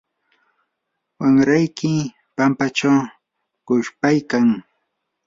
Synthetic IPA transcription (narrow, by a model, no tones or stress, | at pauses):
waŋɾajkɪ | pampat͡ʃaw | kʊʃpajkaŋ